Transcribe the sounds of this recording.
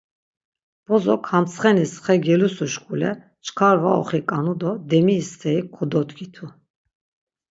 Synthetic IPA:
b̥ɔzɔkʰamt͡sχɛnisχɛɡɛlusuʃkʼulɛ̰ | t͡ʃʰkʰaɾvaɔ̰χikʼanud̪ɔd̪ɛmiːst̪ʰɛikʰɔd̪ɔt̪ɡʰit̪ʰu

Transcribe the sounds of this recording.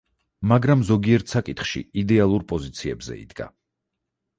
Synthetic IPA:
maɡɾamzɔɡiɛɾt̪ʰsakʼit̪χʃḭid̪ɛalˠuɾpʼɔzit̪sʰiɛbzɛ̰ḭd̪̥ɡa̰

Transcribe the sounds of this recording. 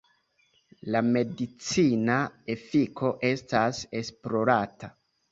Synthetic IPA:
lame̞dit͡sinae̞fikʰo̞ʔe̞stase̞splo̞ɾata

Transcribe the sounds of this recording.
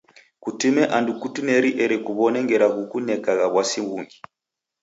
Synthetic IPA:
kutumɛʔandukutunɛɾiʔɛɾɛkuβɔnɛŋɡɛɾaɣukunɛkaɣaβwasiŋɡuŋɡi

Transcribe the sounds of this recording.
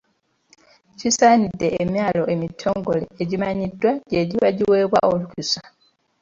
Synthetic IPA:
cisaːnidːe̞ːmjaːlo̞ʔe̞mitʰːo̞ːŋɡo̞le̞ːɟimaɲidːwaɟe̞ːɟiwaɟiwe̞ːβwa̰ʔolukusa

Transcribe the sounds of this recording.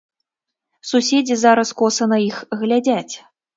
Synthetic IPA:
susʲed͡zʲizaɾɐskɔsɐnɐixɣlʲad͡zʲæt͡sʲ

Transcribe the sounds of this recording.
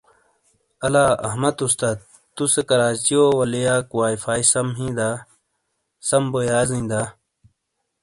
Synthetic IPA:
ɐlaːɐ̰ɦmɐt̪ust̪aː | t̪usekɐɾaːt͡ɕijowɐlijaːkwaːifaːisɐmɦĩːd̪aː | sɐmbojaːzĩːd̪aː

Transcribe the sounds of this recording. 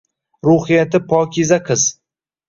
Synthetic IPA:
ɾʊhɪjat̪ʰɪpʰɒːkʲizaqʰɨz̥

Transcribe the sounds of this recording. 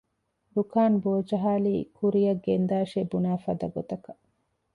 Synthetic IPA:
ɾukaːnboːd͡ʒɐɦaːliːkuɾijɐɡːend̪aːʃebunæːfɐd̪ɐɡot̪ɐkɐ

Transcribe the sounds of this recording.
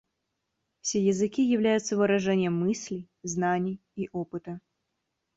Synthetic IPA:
fsʲejɪzɨkʲijɪvlʲæjʊt̪səvɨɾɐʐɛnʲɪjəmːɨsʲlʲɪ | znanʲɪj | iʔopɨt̪ə

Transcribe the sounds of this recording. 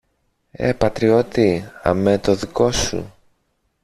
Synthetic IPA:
ḛpɐt̪ɾio̞t̪iɐ̰met̪o̞ðiko̞sṵ

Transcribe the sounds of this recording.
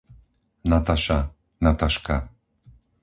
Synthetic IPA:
nat̪aʃa | nat̪aʃka

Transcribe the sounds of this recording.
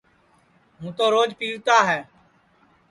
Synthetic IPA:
ɦũːt̪oːɾoːd͡ʒpiːʋt̪aːɦɛː

